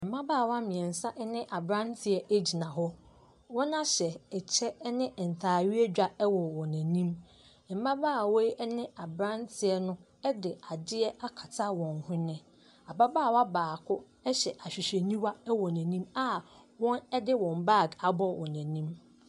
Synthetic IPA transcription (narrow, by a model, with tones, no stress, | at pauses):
m̩˨mã˦baː˦˨wa˦mĩ˨ɛ̃˨n˨sa˦ʔɛ˦nɪ̃˦ʔa˨bɾã˦n˦tʰɪ˨ɛ˨ʔe˦d͡ʑi˨nã˨ɦɔ˦ | wɔ̃˦nã˦ɕɛ˨ɛ˨t͡ɕʰɛ˦nɪ̃˦˨n̩˨tʰaː˨ɥi˦ɛ˦d͡ʑᶣa˦ɛ˦wɔ˨wɔ̃˨næ̃˨nĩ˦m˨ | m̩˨mã˦baː˦˨wɔ˦i˦ɛ˦nɪ̃˦a˨bɾã˦ntʰɪ˨ɛ˨nʊ̃˦ | ɛ˦dɪ˨a˨dɪ˦ɛ˦ʔa˦kʰa˨tʰa˦wɔ̃˨nhʊ̃˦nɪ̃˦ | a˨ba˦baː˦˨wa˦baː˨kʰʊ˦ | ɛ˦ɕɛ˨ʔa˨ɕᶣi˨ɕe˨nĩ˦wa˦ɛ˦wɔ˨næ̃˨nĩ˦ma˦ | wɔ̃˦nɛ˦dɪ˦wɔ̃˨mba˦˨ɡa˨bɔ˦wɔ̃˨næ̃˨nĩ˦m